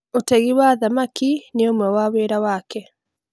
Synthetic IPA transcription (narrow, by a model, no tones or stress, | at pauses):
otɛɣiwaðamakineomwɛwaweːɾawaːkɛ